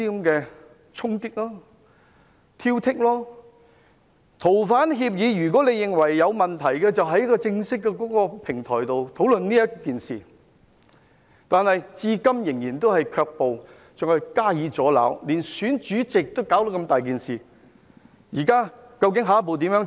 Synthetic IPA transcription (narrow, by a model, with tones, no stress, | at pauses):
i˥kɐ˨˧mkɛː˧ | t͡ʃʰʊ˥ŋk̪ɪ˥k̚lɔː˥ | t̪ʰiː˥wt̪ʰɪ˥k̚lɔː˥ | t̪ʰo˨˩wfaː˨˥nɦiː˧p̚jiː˨˧ɥyː˨˩k̬ʷɔː˨˥le˨˧jɪ˨ŋwɐ˨˩jːɐ˨˧wmɐ˨nt̪ʰɐ˨˩jkɛː˧t͡sɐ˨wɦɐ˧˥ji˥kɔ˧t͡sɪ˧ŋsɪ˥kːɛ˧kɔː˨˥kɔː˧pʰɪ˨˩ŋt̪ʰɔː˨˩jt̪o˨wt̪ʰo˨˥wlɵ˨nniː˥jɐ˥kːiː˨˩nsḭː˨˩ | t̪aː˨nhɐ˨jt͡siː˧kɐ˥mjɪ˨˩ŋjiː˨˩nt̪o˥whɐ˨jkʰœː˧k̚po˨w | t͡sœː˨khɐ˨jkaː˥jiː˨˧t͡sɔː˨˥la̰ː˨˥wliː˨˩nsyː˨˥nt͡ʃyː˨˥t͡sɪ˨k̚t̪o˥wkaː˨˥wt̪o˨˥kɐ˧mt̪aː˨jk̬iː˨nsiː˨˩ | jiː˨˩kaː˥kɐ˧wk̬ɪ˨˥ŋɦaː˨˥p̬o˨wt̪iː˨˥mjœː˨˥ŋ